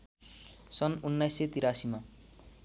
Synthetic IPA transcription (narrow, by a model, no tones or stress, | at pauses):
sʌnunːajsːet̪iɾasima